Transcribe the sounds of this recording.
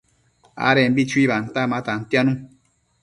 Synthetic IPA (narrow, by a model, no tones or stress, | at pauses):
a̰ɾɛm̩bit͡ʃuiban̩tamatan̩tjanũ